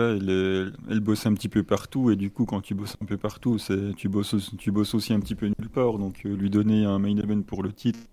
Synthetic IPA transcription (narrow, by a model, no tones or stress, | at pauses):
aɛlɛɛ̰lbɔsɛ̃pət̪ipøpaʁt̪ued̪ykukɑ̃t̪ybɔsɛ̃pøpaʁt̪usɛt̪ybɔsot̪ybɔsosiɛ̃pə̥t̪ipønylpaːʁd̪ɔ̃kʰlɥid̪ɔneɛ̃majd̪əvɛnpuʁlət̪ʰit̪χ